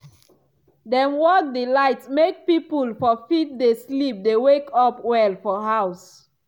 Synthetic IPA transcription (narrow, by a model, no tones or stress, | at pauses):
dɛ̃nwɔk̚dilaɪtmek̚pipulfɔfit̚deslip̚dewekʰɔpwɛlfɔɦaʊs